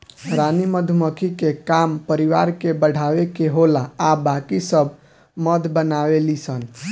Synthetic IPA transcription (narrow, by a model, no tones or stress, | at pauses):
ɾaniməd̪ʱməkʰikekampəɾiʋaɾkebəɽ̤ʱaʋekeɦolaːbakisəb | məd̪bənaʋelisən